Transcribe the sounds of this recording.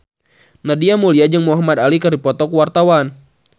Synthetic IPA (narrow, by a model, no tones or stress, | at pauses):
nadiamuliad͡ʒəŋmuɦamad̪alikərdipɔt̪ɔkuwart̪awan